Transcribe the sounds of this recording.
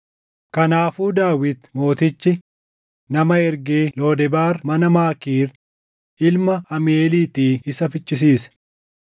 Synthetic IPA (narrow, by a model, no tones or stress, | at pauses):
kɐnaːfuːd̪aːwɪt̪mo̞ːt̪ɪt͡ʃːɪ | nɐmɐɛɾɡeːlo̞ːd̪ɛbaːɾmɐnɐmaːkiːɾ | ʔɪlmɐɐmeːliːt̪iːɪsɐfɪt͡ʃːɪs̬iːs